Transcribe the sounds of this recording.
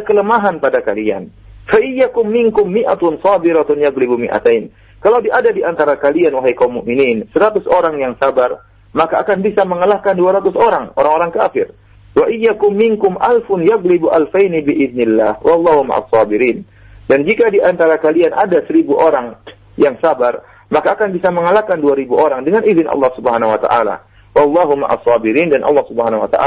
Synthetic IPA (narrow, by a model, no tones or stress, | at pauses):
akələmaɦanpadakalia̰n | faʔɪjakʊmːɪŋkʊmːiʔa̰t̪ʊnsɑbɪɾat̪ʊnjaɡlibumḭʔa̰t̪ajn | kalawdiadadiant̪aɾakalianwaɦajkawmːʊ̰ʔminiːnsəɾat̪ʊsoɾaŋjaŋsabar | makaːkanbisaməŋəlahkanduaɾat̪ʊsoɾaŋoɾaŋoɾaŋkafɪr | waʔɪjːakʊmːɪŋkʊmʔalfʊnjaɣlɪbuʔalfajnibiʔɪðnɪlːaːhwɑlˠˤːɑɦʊma̰ʔa̰sˤːɑbɪɾiːn | dand͡ʒikadiʔant̪aɾakalianʔa̰dasəɾibuʔoɾaŋ | jaŋsabar | makaːkanbisaməŋalahkanduaɾibuʔoɾaŋdəŋanizɪnʔɑ̰lːɑhsubəɦanawat̪a̰ʔala̰ | wɑlˠːɑɦuma̰ʔa̰sːɑbiɾiːndanʔɑ̰lːɑhsubəɦanawa̰t̪a̰ʔa